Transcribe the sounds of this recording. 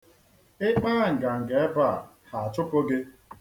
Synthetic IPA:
ɪ˦k͡pa˦˨ŋ̩˨ɡa˨ŋ̩˨ɡe˨e˦ba˦˨ | ha˨a˨t͡ʃʊ˦po˦ɡe˦

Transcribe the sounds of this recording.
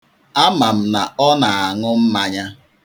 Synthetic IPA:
a˦ma˨m̩˦na˨ɔ˦na˨a˨ŋʊ˦m̩˦ma˦ɲa˦

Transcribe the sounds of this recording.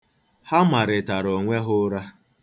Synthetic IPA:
ha˦ma˨ɾɪ˨ta˨ɾo˨ŋʷe˦ɦʊ˦ɾa˦

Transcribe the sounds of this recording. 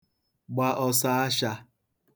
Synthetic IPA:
ɡ͡ba˦ʔɔ˦sa˦a˦ʃa˦

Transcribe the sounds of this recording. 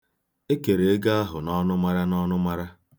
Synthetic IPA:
e˦ke˨ɾe˨e˦ɡa˦a˦ɦʊ˨nɔ˦nʊ˦ma˦ɾa˦nɔ˦nʊ˦ma˦ɾa˦

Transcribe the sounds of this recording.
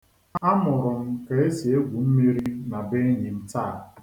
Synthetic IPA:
a˦mʊ˨ɾʊ˨ŋ̩˨ke˨e˦si˨e˦ɡʷu˨m̩˦mi˦ɾi˦na˨be˦ɲi˨n̩˨taː˦˨

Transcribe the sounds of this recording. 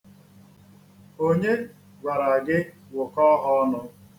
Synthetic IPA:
o˦ɲe˦ | ɡʷa˨ɾa˨ɡɪ˦ | wʊ˨kɔ˦ɦɔ˦nʊ˦

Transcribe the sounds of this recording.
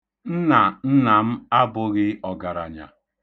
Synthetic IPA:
n̩˦na˨n̩˦na˨m̩˦a˦bʊ˦ɣɪ˦ɔ˨ɡa˨ɾa̰˨ɲa̰˨

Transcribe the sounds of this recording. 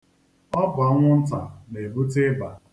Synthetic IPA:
ɔ˦bʊ˨a˦ŋʷʊ˦n̩˦ta˨ne˨bu˦tɪ˦ba˨

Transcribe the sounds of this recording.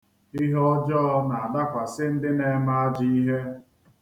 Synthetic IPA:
i˦ɦɔ˦d͡ʒɔ˦ɔ˦na˨a˨da˦kʷa˨sɪ˦n̩˦dɪ˦ne˦ma˦a˦d͡ʒi˦i˦ɦe˦

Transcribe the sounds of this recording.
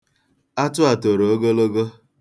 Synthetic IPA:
a˦tʊ˦a˨to˨ɾo˨o˦ɡo˦lo˦ɡo˦

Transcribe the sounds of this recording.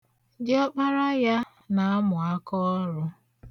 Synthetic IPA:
dɪ˦ɔ˦k͡pa˦ɾa˦ja˦ | na˨a˦mʊ˨a˦kɔ˦ɾʊ˦

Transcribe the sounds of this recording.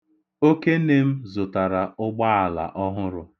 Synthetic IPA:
o˦ke˦ne˦m̩˦zʊ˨ta˨ɾa˨ʊ˦ɡ͡ba˦a˨la̰˨ʔɔ˦ɦʊ˦ɾʊ˨

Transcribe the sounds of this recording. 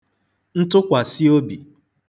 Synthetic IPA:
n̩˦tʊ˦kʷa˨si˦o˦bi˨

